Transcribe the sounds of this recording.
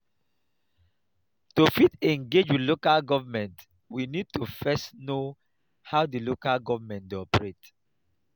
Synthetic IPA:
tufitɛ̃ŋɡed͡ʒwidlokalɡɔvəmɛ̃nt | winid̚tʰufɛsno | hawdilokalɡɔvəmɛ̃ntdɔpɹet

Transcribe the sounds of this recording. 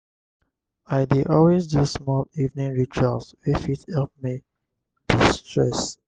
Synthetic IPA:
aɪdiʔɔlwezdusmɔlivnĩŋɹit͡ʃaswifithɛlˠp̚mi | tʰistɹɛs

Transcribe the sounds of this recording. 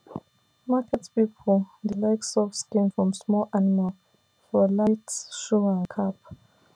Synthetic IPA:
makʰɛtpipʰɔldəlaɪksɔfskĩnfɹɔ̃msmɔlʔanimal | fɔlajtʃɔãnkʰap̚

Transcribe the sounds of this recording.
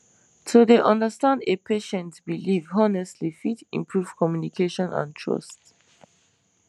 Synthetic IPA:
tʰodeʔʌ̃ndəstãndepʰeʃɛ̃ntbilivɦɔnɛstʰlifitḭ̃mpʰɹuv̥kʰɔmjunikʰeʃɔ̃nã̰ntʰɹɔ̰st

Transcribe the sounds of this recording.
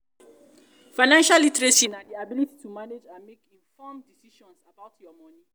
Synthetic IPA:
faɪnãnʃalĩtɾesĩnadiabiliti̥tʰumaned͡ʒãnmekĩnfɔmdisiʃɔ̃nsabaʊtʰjɔmɔni

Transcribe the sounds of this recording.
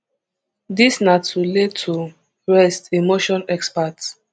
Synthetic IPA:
disnatʰuled̚tʰu | ɹɛstimoʃɔ̃nɛkspats

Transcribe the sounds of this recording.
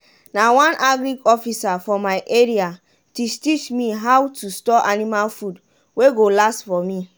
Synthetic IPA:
nawãnʔaɡɾiɡɔfisafɔmaɪʔeɹia | tustit͡ʃmiɦawtustɔʔanimalfud | weɡolastfɔmi

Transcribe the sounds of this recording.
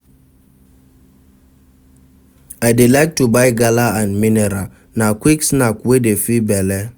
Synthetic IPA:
aɪdilaɪk̚tubaɪɡalaãnmineɾa | nakʷiksnakwedefibɛlɛ

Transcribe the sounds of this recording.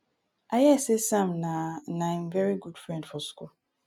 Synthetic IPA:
ajɛsesãmnãnããmvɛɹiɡudfɹɛ̃ndfɔskul

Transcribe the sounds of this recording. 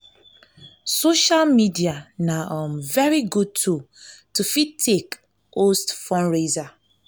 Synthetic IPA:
soʃalmidianaʔɔ̃mvɛɹiɡud̚tʰu | tufitʰːek | ostfɔ̃nɹeza

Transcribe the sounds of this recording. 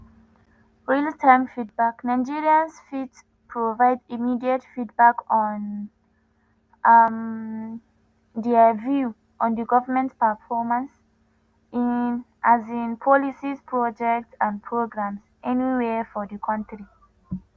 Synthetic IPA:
ɹiltʰãmfit̚baknaɪd͡ʒiɹiãnsfit | pʰɹovaɪdimidiətfit̚bakɔ̃n | m | dɛvju | ʔɔ̃ndəɡɔvəmɛ̃ntpəfɔmãns | inʔazĩnpʰɔlisispʰɹɔd͡ʒɛk̚tsãnpʰɹoɡɹãmsʔɛniwɛfɔdəkʰɔ̃ntɾi

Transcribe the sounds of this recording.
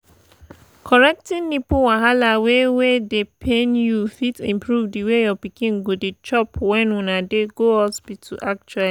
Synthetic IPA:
kʰɔɾɛk̚tĩnːĩpuwãɦalawewedepʰẽnjufitḭ̃mpɾuvdiwejɔpikĩnɡodet͡ʃɔpwɛ̃nũnãdeɡoɔsbitʰuʔak̚t͡ʃuali

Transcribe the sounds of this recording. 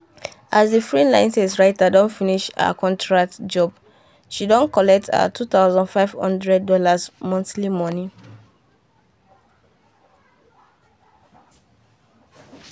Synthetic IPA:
ʔazdifɹilãɪ̃nsɛsɹaɪtadɔ̃ntfiniʃa̰a̰kɔ̃ntʰɹak̚td͡ʒɔb | ʃidɔ̃nkɔlɛk̚tʰa̰tʰut̪aʊzɔ̃nfaɪv̥hɔ̰̃ndɹɛd̚ːɔlasmɔ̃nθlimɔni

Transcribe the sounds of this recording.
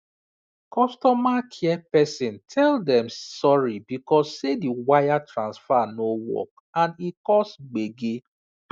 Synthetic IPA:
kɔstɔmakʰiɛpɛsĩntʰɛldɛ̃msɔɹibikɔsːediwajatɹãnsfanowɔ̰k̚ | ãnikɔsɡ͡beɡe

